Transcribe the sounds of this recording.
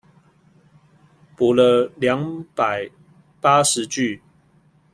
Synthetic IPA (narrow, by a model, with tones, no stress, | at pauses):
pu˨˩lə˧ljɑ˧˦ŋpa˨˩ɪ | pa˥ʂɻ̩˨˦t͡ɕy˥˨